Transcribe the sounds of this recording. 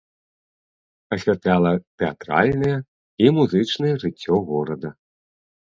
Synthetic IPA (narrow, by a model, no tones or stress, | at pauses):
ɐsʲvʲat̪lʲalˠɐt̪ɛat̪ɾa̰lʲnɐjɛ | imuzɨt͡ʂnɐjɛʐɨt͡sʲːɔɣɔɾɐd̪ɐ